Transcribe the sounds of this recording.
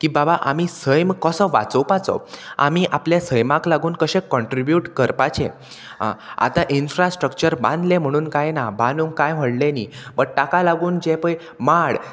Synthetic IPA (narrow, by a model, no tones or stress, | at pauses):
kiːbabaʔamisəjmkəsəʋa̰t͡səwpat͡sɔ̰a̰miʔapljasəjmãklaɡuːnkəɕẽkɔɳʈɾibjuʈkəɾpat͡ɕḛ̃ | a̰t̪aʔinfɾasʈɾəkt͡ɕəɾbã̰nd̪lem̤əɽ̃uːnkajnabãnuŋkajm̤əɽlenibəɽ̚ʈakalaɡuːnd͡ʑɛ̃pəj | maɽ